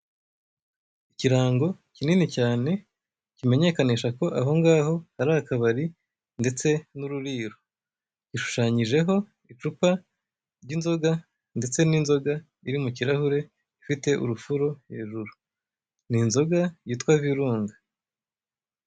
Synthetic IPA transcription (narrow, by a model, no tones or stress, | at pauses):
iciɾaːŋɡo̞cininicaːne̞ | cime̞ɲe̞kaniʃako̞ʔaɦo̞ŋɡaːɦo̞haɾaakaβaɾi | nde̞t͡se̞nuɾuɾiːɾo | ciʃu̥ʃaːɲiʒe̞ɦo̞ | it͡ʃupa | ɾɟinzo̞ɡa | nde̞t͡se̞ninzo̞ɡa | iɾimuciɾahuɾe̞ | ifite̞ʔṵɾufuɾo̞he̞ːʒuɾu | ninzo̞ɡajiːtwaviɾuːŋɡa